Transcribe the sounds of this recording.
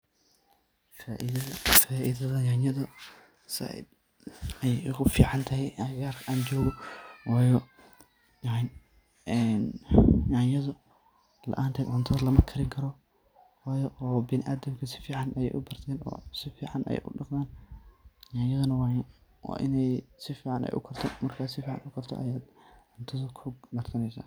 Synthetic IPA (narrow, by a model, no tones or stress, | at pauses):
faʔsaːʔɪðɐðɐjanjɐðɐ | sɪ̰d | ɐjɛjɣʊfiːʕɑnt̪ʰɐɦɛjɣaːrkʰʔaːnt͡ʃɔːɣɔwɑːjɔ | jn | ɛnjanjɐðʊ | lɐ̰ʔaːnt̪ʰɛːd̪ʕʊnt̪ʰɐðɐlɐmɐkʰɐɾɪŋkʰɐɾɔ | waːjɔːbɪnɪʔaːd̪ɐmkʰɐsɪ̥fiːʕɑnʔɐjɛ̰jʔʊbɐrt̪ʰɛːnɔ̰ːsɪfiːʕɑnɛ̰j̰jʔʊ̰ɖɑqðaːn | jajɐðɐnɐwwɑ̰ːʔɪnɛjsɪfiːʕɑnʔɛ̰jʔʊ̰kʰɐrt̪ʰɔmɐrkʰaːsɪfiːʕɑ̰nʊkʰɐrt̪ʰɔ̰ʔɐ̰jaːd̪ | ʕʊnt̪ʰɐðʊkʰʊɡɐrsʰɐnɛjsa̰ː